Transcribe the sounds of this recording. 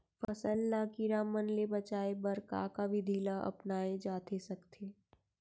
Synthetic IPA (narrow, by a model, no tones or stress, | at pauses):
fɐsəlːaːkiɾaːmənlebɐt͡ʃaːebɐɾka̰kabʱɪd̪ʱiːlaʔɐ̰pnaːẽd͡ʒaːt̪ʰesɐkt̪ʰeː